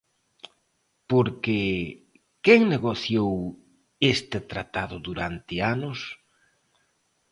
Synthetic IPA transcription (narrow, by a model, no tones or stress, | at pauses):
poɾke | keŋneɣoθjow | est̪ɪt̪ɾa̰t̪aðʊðuɾant̪ɪanʊs